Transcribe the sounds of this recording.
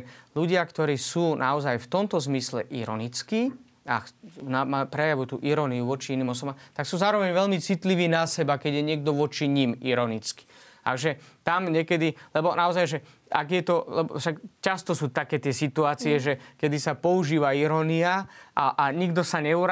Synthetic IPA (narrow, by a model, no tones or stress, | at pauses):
luɟɪakt̪ɔɾiːsuːnʔaɔzajft̪ɔmt̪ɔzmislɛ̰ʔiɾɔ̰nit͡skiː | a̰namapɾɛjaʋut̪ṵːʔiɾɔniuʋɔt͡ʃiiniːmɔs̬ɔbamt̪aksuːzaːɾɔʋɛɲʋɛʎmit͡sit̪liʋiːnasɛbakɛɟjɛɲɪɛɡ̚d̪ɔʋɔt͡ʃiɲimiɾɔnit͡ski̥a̰ɡʒɛt̪amɲɛkɛd̪ilɛbɔnaɔzajʒɛ | aɡjɛt̪ɔlɛbɔ̰fʃakcast̪ɔsuːt̪akɛːt̪ɪɛsit̪uaːt͡siɛʒɛkɛd̪isapɔuʒiːʋaiɾɔniaaʔaɲiɡd̪ɔsaɲɛuɾa